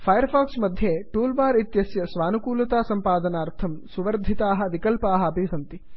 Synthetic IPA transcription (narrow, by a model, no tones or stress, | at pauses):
pʰɐjɐɾfʰaːksmɐd̪ʱjeːʈuːlbaːɾit̪jɐsjɐsʋaːnukuːlɐt̪aːsɐmpaːd̪ɐnaːɾt̪ʰɐmsuʋɐɾd̪ʱːit̪aːɦɐʋikɐlpaːɦɐ̆ɐbʱiːsɐnt̪i